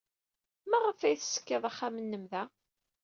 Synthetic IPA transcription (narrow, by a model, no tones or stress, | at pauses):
mæʁəfæjθsə̥kːəðˤaχːamənːəmðæ